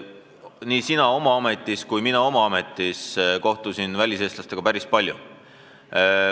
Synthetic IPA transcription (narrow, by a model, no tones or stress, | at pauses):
niːsinɑo̞mɑɑme̞t̪ːˑiskujminɑo̞mɑɑme̞t̪ːˑisko̞ht̪usinvælʲise̞ːst̪lɑst̪e̞ɡ̥ɑpæɾispɑlʲjṵ